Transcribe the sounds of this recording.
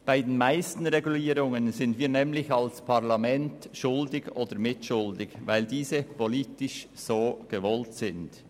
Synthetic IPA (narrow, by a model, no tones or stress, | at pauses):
b̥aɪdeːnmaɪstn̩ʁeɡuliːɾʊŋənzɪndviːɾnɛːmlɪçalspʰaʁlamɛntʃʊldɪɡoːd̥əɾmɪtʃʊldɪɡvaɪldiːzəpʰoliːtɪʃsoːɡ̥əvɔltsɪnd̥